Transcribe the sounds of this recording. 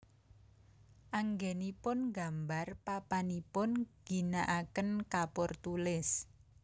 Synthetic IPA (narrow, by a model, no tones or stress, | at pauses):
ʔaŋɡɛnipʊnɡambarpapanipʊnɡ̥i̤naʔakənkapʊrt̪ulɪs